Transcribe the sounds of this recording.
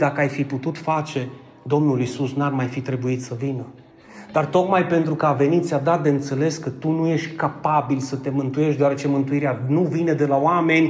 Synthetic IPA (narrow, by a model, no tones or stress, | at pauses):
d̪akəajfiput̪ut̪fat͡ʃe̞ | d̪o̞mnulisusnarmajfit̪ɾe̞buit̪səvinə | d̪̥art̪o̞kmajpe̞nt̪ɾukəave̞nit̪t̪sʲad̪at̪̚d̪e̞ɨnt̪se̞le̞skət̪unuje̞ʃt̪ʲkapabilsət̪e̞mɨnt̪uje̞ʃt̪d̪eoaɾe̞t͡ʃe̞mɨnt̪uiɾeanuvine̞d̪e̞laoame̞nʲ